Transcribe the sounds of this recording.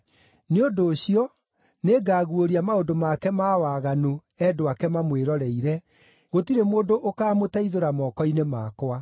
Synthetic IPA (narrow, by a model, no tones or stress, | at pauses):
neondoːɕiɔ | neːɡaːɣuoɾiamaodomakɛmaːwaːɣano | ɛːdoakɛmamweɾɔɾɛiɾɛ | ɣotiɾemoːndoʔokaːmotaiðoɾamɔːkɔinemaːkoa